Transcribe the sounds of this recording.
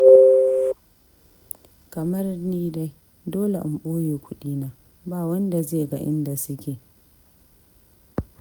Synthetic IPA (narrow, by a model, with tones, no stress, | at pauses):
kɐ˨mɐ˦rniː˦da˦j | doː˦lḛ˨ʔʊ˨mɓoː˦jeː˨kʷʊ˦ɗiː˦naː˨ | baː˦wɐ˦nda˨zeː˦˨ɡa̰˨ʔɪ˦nda˨sʊ˦kʲeː˨